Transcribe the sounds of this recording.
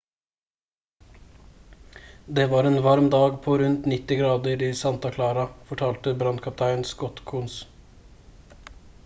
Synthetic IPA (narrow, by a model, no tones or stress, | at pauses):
d̪eːʋɑːɾeːnʋɑɾmd̪ɑːɡpʰoːɾʉnt̪nɪt̪ɪɡɾɑːd̪əɾiːsɑnt̪ɑkʰlɑːɾɑfɔʈʰɑːlt̪əbɾɑnd̪̚kʰɑp̚t̪ʰæɪnskɔt̪kʰʊns